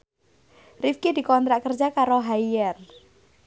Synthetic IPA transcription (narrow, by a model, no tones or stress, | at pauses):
rifkid̪̥i̤kɔnt̪ɾaʔkərd͡ʒakaɾoɦaiɛr